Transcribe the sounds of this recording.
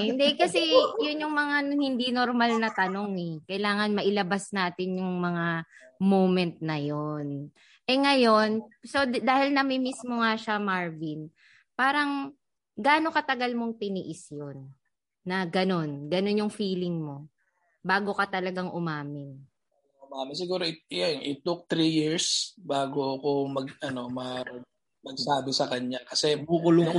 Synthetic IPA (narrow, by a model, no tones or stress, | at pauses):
hɪnd̪ɛkɐsɛjʊnjʊŋmɐŋahɪnd̪inoɾmalnɐt̪ɐno̞ŋɛkɐɪlaːŋɐnmɐʔɪlɐbasnaːt̪ɪnjʊŋmɐŋamowmɛnt̪̚nɐjon | ʔɛŋɐjo̞nso̞d̪aːhɪlnɐmɪmismo̞ŋaʃamaɹvin | paːɾɐŋ | ɡaːno̞kɐt̪ɐɡɐlmo̞ŋt̪ɪnḭːʔɪsjonː | ɐɡɐno̞nɡɐno̞njʊŋfiːlɪŋmo̞ | baːɡo̞kɐt̪ɐlɐɡaŋʔʊmaːmɪn | ʊmaːmɪnsɪɡuːɾoɪjonʔɪt̪ʊk̚t̪ɾijiɹsbaːɡoɐko̞mɐɡɐno̞mɐ | mɐɡ̚saːd̪osɐkɐɲakɐsɛbuːkʊlʊŋɐ